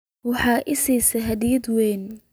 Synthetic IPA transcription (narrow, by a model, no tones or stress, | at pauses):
wɑħɑːʔɪsiːsɐɦɐd̪iːd̪wɛːn